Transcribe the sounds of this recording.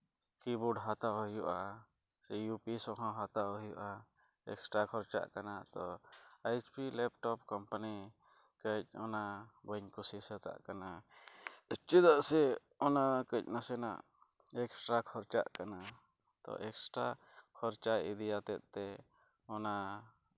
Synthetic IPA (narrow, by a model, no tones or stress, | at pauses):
kibuɖɦat̪aɦɔjuʔa | sijupisɔ̃ɦɔ̃ɦat̪ajuʔa | ɛksʈɾakʰɔɾt͡ʃa̰ʔkanat̪ɔajt͡ʃpilɛp̚ʈɔpkɔmpani | kəc̚ɔnabəɲkusisɛt̪a̰ʔkana | ət͡ʃːəd̪aʔsɛ | ɔnakəc̚nasɛna̰ʔ | ɛksʈɾakʰɔɾt͡ʃa̰ʔkana | t̪ɔ̰ʔɛksʈɾa | kʰɔɾt͡ʃaid̪ijat̪ɛt̪̚ˀt̪ɛ | ɔna